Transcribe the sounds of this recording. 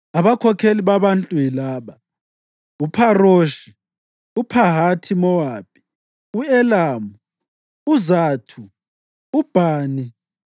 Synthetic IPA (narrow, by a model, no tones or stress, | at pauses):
aβakʰɔkʰeliβaβantʼuilaːβa | upʰaroːʃi | upʰaɦatʰimɔwaːp̚ʰʼi̥ | uɛlaːmu | uzaːtʰuː | b̥ʱaːni